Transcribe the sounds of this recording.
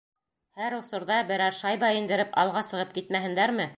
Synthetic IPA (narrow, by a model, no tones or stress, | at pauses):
hæɾŏsŏɾðɑbɘ̆ɾɑɾʃɑjbɑĭnd̪ɘ̆ɾɘpɑ̰lˠʁɑsɤ̆ʁɤp̚kit̪mæhɘ̆nd̪æɾmɘ